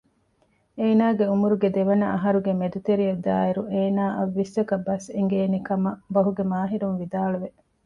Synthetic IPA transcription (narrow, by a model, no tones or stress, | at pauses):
eːnaːɡeumuɾuɡed̪eʋɐnɐʔɐɦɐɾuɡemed̪ut̪eɾijɐd̪a̰ːeɾuʔeːnaːʔɐʋːisɐkɐbɐseŋɡeːnekɐmɐbɐɦuɡemaːɦiɾunʋid̪aːɭuʋe